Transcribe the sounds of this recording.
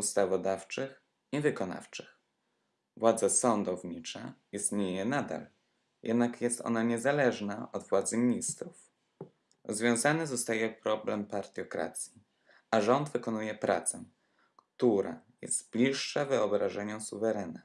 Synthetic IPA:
ust̪avɔd̪aft͡ʂɘx | ivɘkɔna̰ft͡ʂɘ̥x | vwad̪zasɔnd̪ɔvɲit͡ʂa̰ist̪ɲejɛnad̪a̰l | jɛ̰d̪nakjɛst̪ɔ̰naɲɛzalɛʐnaʔɔd̪vwad̪zɘmʲɲist̪ɾuf | ɾɔzvʲjɔ̃w̃zanɛzɔst̪ajɛkpɾɔblɛmpaɾt̪ʲjɔkɾa̰t̪sʲji | aʐɔnd̪vɘkɔnujɛpɾʔa̰t̪sɛ | kt̪uɾa̰jɛ̰st̪b̥lʲiʂːavɘɔbɾaʐɛɲɔ̃suvɛɾɛna

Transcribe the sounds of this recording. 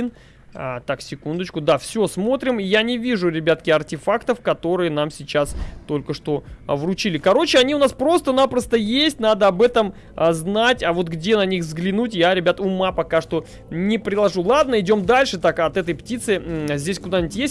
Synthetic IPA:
n | t̪aksʲɪkund̪ət͡ɕkʊd̪afsʲo̞smo̞t̪ɾʲɪmɪjanʲɪvʲiʐʊɾʲɪbʲat̪kʲɪɐrtʲɪfakt̪əfkɐt̪o̞ɾɨjənamsʲɪt͡ɕast̪o̞lʲkəʂt̪o̞vrʊt͡ɕilʲɪkɐɾo̞t͡ɕɪɐnʲiʊnaspɾo̞st̪ənapɾəst̪əjesʲtʲnad̪əɐbɛt̪əm | znatʲavo̞t̪ɡdʲenɐnʲixzɡlʲɪnutʲjaɾʲɪbʲat̪ʊmapɐkaʂt̪o̞ | nʲɪpɾʲɪlˠɐʐulˠad̪nəɪdʲo̞md̪alʲʂɨt̪akɐt̪ɛt̪əjptʲit̪sɨzʲdʲesʲkʊd̪anʲɪtʲjesʲt̚ʲ

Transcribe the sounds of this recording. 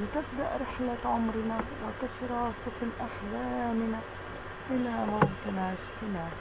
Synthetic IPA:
lɪt̪ɪbd̪aʔɾɪħlaʕʊmɾɪnawɪt̪aʃɾɑːsˤʊflʔaħlaːmɪnaː | ʔɪlaːmaɣt̪ɪnaʃt̪ɪmaː

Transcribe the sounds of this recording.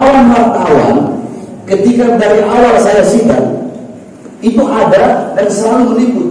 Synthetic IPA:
wanmart̪awankət̪ikadaɾiʔawalsajasida̰ŋ | it̪uʔadadansəlaluməŋikʊt̪̚

